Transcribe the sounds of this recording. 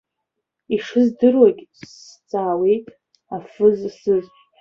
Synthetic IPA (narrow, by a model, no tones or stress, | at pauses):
iʂɨzdɨrwakʲʼst͡sʼaːwejtʼ | afɨzsɨzʷ